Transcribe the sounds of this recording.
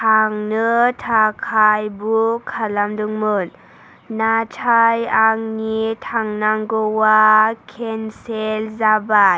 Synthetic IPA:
tʰaŋnɯtʰakʰajbukʰalamduŋmɯn | natʰajaŋnitʰaŋnaŋɡɔwakʰenselzabaj

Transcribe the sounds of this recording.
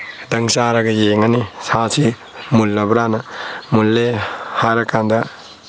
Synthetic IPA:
d̪ɐŋsaɾɐɡɐjeŋɐnisasi | mulːɐbɾanɐmulːehaɾɐkand̪ɐ

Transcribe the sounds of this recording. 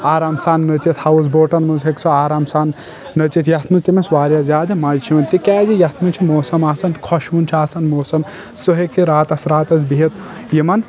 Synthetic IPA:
aːɾaːmsaːnːɐt͡ʃit̪hɐwuzboːʈɐnmɨzɦeksʰoaːɾaːmsaːnː | ɐt͡ʃit̪ʰjɐt̪ʰnut̪imɐsʋaːɾʲjɐzʲaːd̪ɐmɐjt͡ʃʰiɐnt̪ikɛːzijɐt̪ʰnut͡ʃʰimoːsɐmaːsɐnkʰɔʃunt͡ʃʰiaːsɐnmoːsɐm | suɦekiɾaːt̪ɐsɾaːt̪ɐs̬biɦit̪ | jimɐn

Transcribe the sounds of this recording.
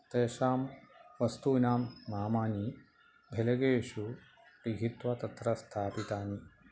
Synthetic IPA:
t̪eːʃaːmʋɐst̪uːnaːmːaːmaːni | bʱelɐɡeːʂu | pɾiɡʱit̪ʋɐt̪ɐt̪ɾɐst̪ʰaːpit̪aːni

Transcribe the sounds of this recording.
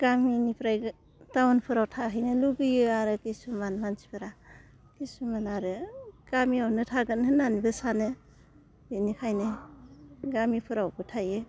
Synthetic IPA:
ɡ̥aminipʰɾaj | tawanpʰɯɾawtʰaɦɯjnɯluɡɯjɯaɾɯkisumanmant͡ʃi̥pʰɯɾa | kisumanaɾɯɡ̥amiawnɯtʰaɡɯnɦɯnanibɯsanɯ | inikʰajnɯ | ɡamipʰɯɾawbɯtʰajɯ

